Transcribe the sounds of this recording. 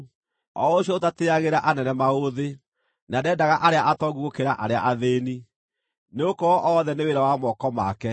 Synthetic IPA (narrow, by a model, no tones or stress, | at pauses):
ɔ̰oɕjɔotateaɣeɾaʔanɛnɛmaoðe | nadɛdaɣaʔaɾeaʔatɔɣuɣokeɾaʔaɾea̰ʔaðeːni | neokɔʔɔðɛneweɾawamɔkɔma̰kɛ